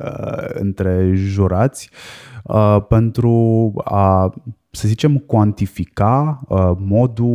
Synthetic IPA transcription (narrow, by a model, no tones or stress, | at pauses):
ə̰ɨ̰nt̪ɾeʒuɾat̪sʲəpent̪ɾua | səzit͡ʃe̞mkwant̪ifikaəmo̞d̪u